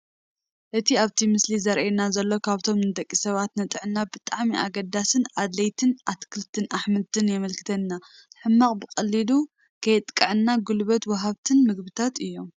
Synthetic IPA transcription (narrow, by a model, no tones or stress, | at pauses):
ʔɨt̪ʰiaβt̪ʰimɨslizɐɾʔenazɐlːo̞kʰaβt̪ʰo̞mnɨd̪ʼɐkʼːisɐβat̪nɐt̪ʼɨʕɨnːabɨt̪ʼaʕmiʔaɡɐd̪asɨnad̪lɐjt̪ʰɨnʔat̪kʰɨlt̪ʰɨnʔaħmɨt̪ʰɨnjɛmɐlkʰɨ̥t̪ʰɐnːa | t̪ʰɨħɨmːaχʼbɨkʼɐlːilu | kʰɐjt̪ʼkʼɨʕɨnːaɡulβɐt̪wɐɦaβt̪ʰɨnmɨɡbɨt̪ʰat̪ɨjːo̞m